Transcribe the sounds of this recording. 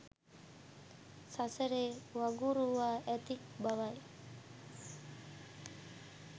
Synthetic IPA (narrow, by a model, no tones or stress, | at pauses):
saseɾewaɡuɾuaet̪ik̚baʋaj